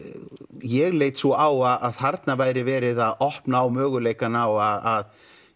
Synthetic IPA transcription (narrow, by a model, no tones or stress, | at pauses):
jɛɣleːjt̪sɔaːwaðaðθaɾt̪navaːjɾɪvɛːɾɪðaðɔhpnaːwmœːɣʏleːjkanawaðað